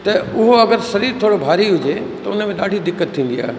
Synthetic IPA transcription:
t̪ɐʊɦoɐɡəɾsɐɾiːɾt̪ʰoːɽobʱaːɾiɦʊd͡ʑe | t̪ɐʊnmẽɗaːɖʱid̪ɪkːət̪ʰːĩːn̆d̪ia̰ːɦe

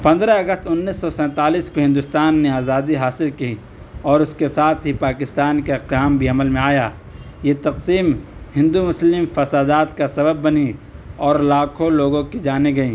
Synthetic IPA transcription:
pɐ̃nd̪ɾaɐɡəst̪ʊnːiːsːɔsɛ̃ːt̪aːliːskoɦɪ̃nd̪ʊst̪aːnːeaːzaːd̪iɦaːsɪlki | ɔːɾʊskesaːt̪ʰɦipaːkɪst̪aːnkeqjaːmbʱiɐməlmẽaːjaː | jet̪ɐqsiːmhɪ̃nd̪umʊslɪmfɐsaːd̪aːt̪kasɐbəbːɐniɔːɾlaːkʰõloːɡõkid͡ʒaːneɡɐĩː

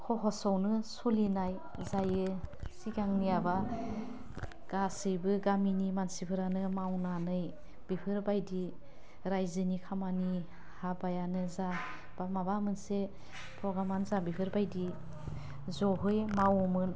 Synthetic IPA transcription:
hʰɔɦɔsɔwnɯsɔlinaj | zajɯsiɡaŋniaba | ɡ̥asɯjbɯɡaminimansipʰɯɾanɯmawnanɯj | b̥ipʰɯɾbajdi | ɾajzɯnikʰamani | habajanɯza | b̥amabamɯnse | pʰɾɔɡɾamanzabipʰɯɾbajdi | zɔɦɯjmawɔmɯn

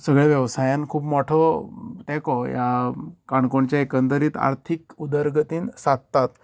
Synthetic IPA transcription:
səɡɭɛʋjəʋsajãnkʰuːpmɔʈʰɔt̪ɛ̃kɔjakaɳkoɳt͡ɕjaekənd̪əɾiːt̪a̰ɾt̪ʰikud̪əɾɡət̪iːnsad̪t̪at̪

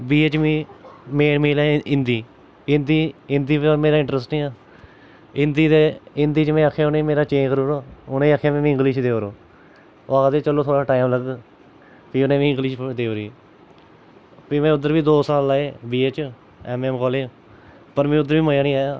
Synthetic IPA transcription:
biːeːt͡ʃmĩːmeːnmiːlẽːɪnd̪iː | ɪnd̪iːɪnd̪iːpːmeːɾaːɪ̃ɳʈɾəsʈnĩːaː | ɪnd̪iːt̪eɪnd̪iːt͡ʃmɛ̃ːəkʰːjaːʊnẽːmeːɾaːt͡ʃẽːkɾoːɾoːʊnẽiːakʰːjaːmɛ̃ːʋĩːɪ̃ŋɡliːʃd̪eːɾoː | oaːd̪eːt͡ʃəloːt̪ʰoːɽaːʈaːɪmləɡ | piːʊnẽːʋĩːɪ̃ŋɡliːʃd̪eːɾiː | piːmɛ̃ːʊd̪ːəɾʋiːd̪oːsaːlaːeːbiːeːt͡ʃ | ɛːmɛːmkɔːleː | pəɾmɛ̃ːʊd̪əɾʋiːməjãːnĩːjaː

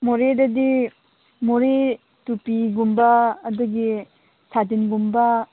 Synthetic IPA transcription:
moɾedɐdi | moɾe | tupiɡumbaːduɡi | sʰadinɡumba

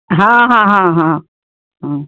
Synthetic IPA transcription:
ɦãɦãːɦãɦã | ɦã

